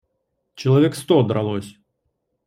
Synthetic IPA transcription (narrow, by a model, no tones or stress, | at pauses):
t͡ɕɐlˠɐvʲɛkst̪ɔd̪ɾɐlˠɔsʲ